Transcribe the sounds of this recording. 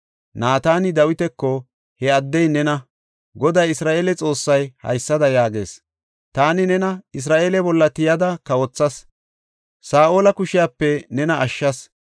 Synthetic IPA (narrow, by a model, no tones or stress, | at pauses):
naːt̪aːnɪd̪ɐwɪt̪ɛkːɔ | hɛɐd̪ːɛjnɛnɐ | ɡɔd̪ɐjɪsɾaːʔeːlɛt͡sʼo̞ːsːɐjhɐ̰jsːɐd̪ɐjaːɡe̞̰ːs | t̪aːnɪnɛnɐɪs̬ɾaːʔeːlɛbɔlːɐt̪ɪjɐd̪ɐkɐwɔt͡sːɐs | saːʔoːlɐkʊʃɪjaːpːɛnɛnɐʔɐʃːɐs